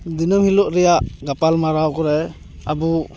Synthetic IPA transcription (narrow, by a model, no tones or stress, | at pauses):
d̪inɯmhilɔʔɾɛjaʔɡapalmaɾawkɔɾɛ | abu